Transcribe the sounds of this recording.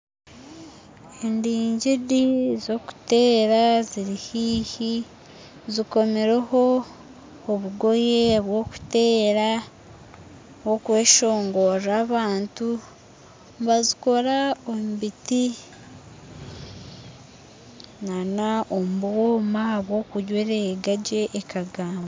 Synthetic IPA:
endiːɲɟidizo̞ku̥te̞ːɾaziɾihiːhi | ziko̞meɾeho̞ː | βuɡo̞jeβwo̞ku̥te̞ːɾa | wokwe̞ːʃo̞ːŋɡo̞raːβaːntu | mbaziko̞ɾaomubiti | nanaomubwoːmaβwo̞ːkuɟweɾeɡaɟe̞ʔːkaɡaːmba

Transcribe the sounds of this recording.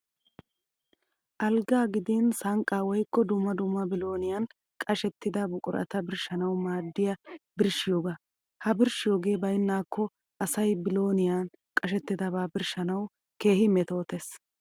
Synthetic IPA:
ʔɐlɡaːɡɪd̪insɐŋkʼaːwɔjkːɔd̪ʊmːɐd̪ʊmːɐbɪlo̞ːnɪjaːn | kʼɐʃɛt̪ːɪd̪ɐbʊkʼʊɾʔɐ̰t̪ɐbɪɾʃɐnɐwmaːd̪ːɪjɐbɪɾʃːɪjoːɡa | hɐbɪɾʃɪjo̞ːɡe̞ːbɐjnːaːkʰːɔ | ʔɐsɐjbɪlo̞ːnɪjaːn | kʼɐʃɛt̪ːɪd̪ɐbaːbɪɾʃɐnɐw | ke̞ːhɪmɛt̪o̞ːt̪es

